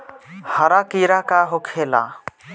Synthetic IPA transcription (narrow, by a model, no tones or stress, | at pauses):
həɾakiɾakaɦokʰela̰